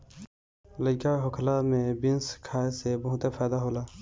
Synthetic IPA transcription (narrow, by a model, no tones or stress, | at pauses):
ləkaɦokʰlamẽbɪnskʰaːesebəɦʊ̃t̪epʰaːd̪aɦoːlaː